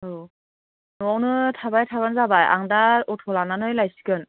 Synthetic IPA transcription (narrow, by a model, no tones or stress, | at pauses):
ɯ | nuɔwnɯtʰabajtʰaβanzabajʔa̰ŋdaɔtʰɔlananɯjlajsi̥kɯn